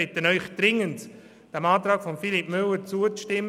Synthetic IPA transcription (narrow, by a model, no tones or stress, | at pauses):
ɛtənœʏχd̥rɪŋənt | d̥ɛmɑːtɾɑːkfɔmfilipmʏlːəɾt͡suət͡sʃtɪm